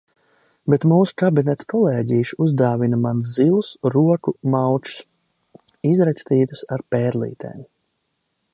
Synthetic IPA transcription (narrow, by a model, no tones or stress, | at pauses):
bet̪muːsu̥kabinɛt̪kɔlˠeːɟiːʃuzd̪aːvinamanszilˠusɾuɔkumawt͡ʃu̥s | izɾakʲst̪iːt̪u̥saɾpɛːɾlˠḭːt̪ʰḛːm